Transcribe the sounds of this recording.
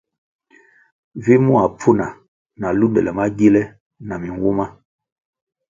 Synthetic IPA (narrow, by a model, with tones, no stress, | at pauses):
vi˦mu˦a˨pʰu˦na˨ | na˨lu˦ndɛ˨lɛ˨ma˦ɡi˦lɛ˦ | na˨mi˨ŋwu˦ma˦